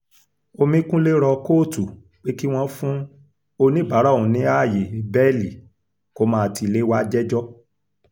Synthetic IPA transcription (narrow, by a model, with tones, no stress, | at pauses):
o˧mĩ˧kũ˦le˦ɾɔ˧ko˦˨tu˨ | k͡pe˦ki˦w̃ɔ̃˦fũ˦ | o˧nĩ˦ba˨˦ɾa˦˨ũ˨nĩ˨˦a˦˨je˨bɛ˦li˨ | ko˦mãː˦a˧˨ti˧˨le˦wa˦d͡ʒɛ˦d͡ʒɔ˦